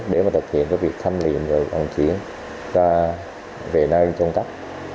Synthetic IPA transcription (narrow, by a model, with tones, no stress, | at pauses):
ɗe˧˩˦maː˨˩t̪ʰɨ˨˩p̚hḭ˧˨ənkaː˨˦vi˨˩ək̚t̪ʰa˧mlḭ˧˨əmvaː˨˩va̰˨˩ŋt͡ɕi˨˦ən | zaː˧ | ve˨˩na˧jt͡ɕə˧ŋ͡mk̪a˦˥k̚